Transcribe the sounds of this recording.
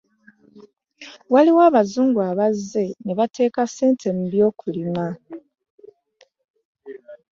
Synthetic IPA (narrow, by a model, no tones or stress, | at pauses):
waliwaːβazuːŋɡuaβazːe̞neβatʰe̞ːkase̞ːntʰe̞m̩βjo̞ːkulima